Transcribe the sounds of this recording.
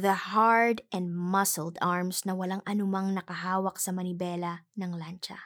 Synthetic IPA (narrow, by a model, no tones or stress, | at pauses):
ðɐhaɹd̪ɛ̃nd̪mɐsɛld̪aɹmsnɐwɐlaŋʔɐnʊmaŋnɐkɐɦaːwɐk̚sɐmɐnɪbɛːlɐnɐŋlant͡ʃɐ̰